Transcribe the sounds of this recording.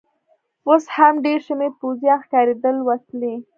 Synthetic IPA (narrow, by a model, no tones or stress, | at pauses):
oshamɖeɾʃəmepozjɑxkɑɾed̪əlwat̪le